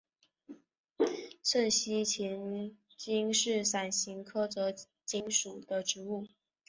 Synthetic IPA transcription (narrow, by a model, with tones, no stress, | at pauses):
sʰə˥˧˩nɕi˥t͡ɕʰɛ˧˥n | t͡ɕi˥ŋʂɻ̩˥˩sa˨˩nɕi˧˥ŋkʰɤ˥t͡sɤ˧˥ | t͡ɕi˧˥ŋʂu˨˩d̪̥ə˦ʈ͡ʂɻ̩˧˥u˥˩